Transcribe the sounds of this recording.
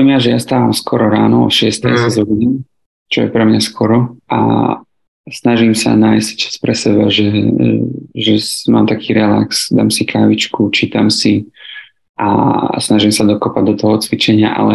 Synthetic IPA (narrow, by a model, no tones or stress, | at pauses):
maʒɛjast̪aːʋaːmskɔɾɔɾaːnɔɔ̰ʃɪɛst̪ɛjsazɔbiɲɛ | t͡ʃɔjɛpɾɛmɲaskɔɾɔa̰ | snaʒimsa̰naːjsct͡ʃḁspɾɛsɛbaʒɛ | ʒɛma̰ːmt̪akʰiːɾɛla̰ksd̪a̰ːmsikaːʋit͡ʃkut͡ʃiːt̪amsi | ʔa̰snaʒimsad̪ɔkɔpaɟ̚d̪ɔt̪ɔɦɔt͡sʋit͡ʃɛɲɪa̰ʔa̰lɛ